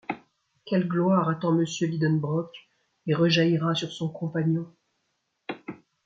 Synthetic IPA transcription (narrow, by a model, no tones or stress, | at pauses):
kʲɛlɡlwaʁat̪ɑ̃məsjølid̪ɔnbʁɔk | eʁəʒaiʁasyʁsɔ̃kɔ̃paɲjɔ̃